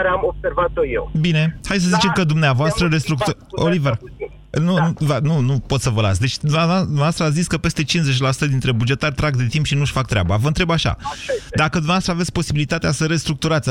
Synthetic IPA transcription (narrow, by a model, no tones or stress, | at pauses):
ɾeamob̥servat̪ojḛwbine̞hajd̪səzit͡ʃe̞mkəd̪umneavoast̪ɾəɾest̪ɾuk̚t̪u | olive | nunuvanunupot̪səvəla̰t̪sʲd̪e̞t͡ʃʲd̪umed̪umavast̪ɾəat̪sziskəpe̞st̪e̞t͡ʃinze̞t͡ʃʲlasu̥t̪əd̪int̪ɾe̞bud͡ʒe̞t̪arʲt̪ɾaɡd̪e̞t̪impʃinuʃfak̚t̪ɾea̰bavəɨnt̪ɾe̞baʃa̰d̪akəd̪umnavastɾəavet̪sʲpo̞sibilit̪at̪easəɾe̞st̪ɾuk̚t̪uɾat̪sʲ